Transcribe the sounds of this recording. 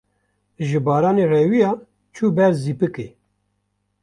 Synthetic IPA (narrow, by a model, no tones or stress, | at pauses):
ʒɨbɑːɾɑːnerɛwijɑː | t͡ʃʰuːbɛɾziːpɨkḛː